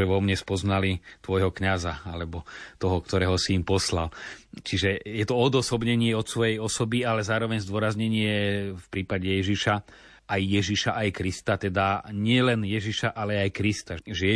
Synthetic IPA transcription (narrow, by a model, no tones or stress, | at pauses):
ɛʋɔmɲɛspɔznalit̪ʋɔjɦɔkɲazaalɛbɔt̪ɔɦɔkt̪ɔɾɛːɦɔsiːmpɔsla̰lt͡ʃiʒɛjɛt̪ɔɔd̪ɔsɔbɲɛɲɪɛɔt̪sʋɔjɛjɔsɔbialɛzaːɾɔʋɛɲzd̪ʊɔɾazɲɛɲɪɛfpɾiːpaɟɛjɛʒiʃa | ajːɛʒiʃaʔajkɾist̪at̪ɛd̪aɲɪɛlɛnjɛʒiʃaʔalɛajkɾist̪aʒɛ